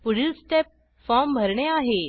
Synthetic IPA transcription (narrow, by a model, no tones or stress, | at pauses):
puɽilsʈep̚ | fɔmbʱəɾɳeaɦe